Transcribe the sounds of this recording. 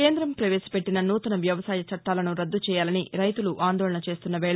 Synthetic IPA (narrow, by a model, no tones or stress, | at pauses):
eːnd̪ɾɐmpɾɐʋe̞ːsi̥pe̞ʈːinɐnuːt̪ɐnɐʋjɐʋɐsaːjɐt͡ʃɐʈːaːlɐnuɾɐd̪ːut͡ʃɛːjaːlɐniɾɐjt̪uluʔaːnd̪ɔːɭɐɳɐt͡ʃe̞ːst̪unːɐʋɛːɭ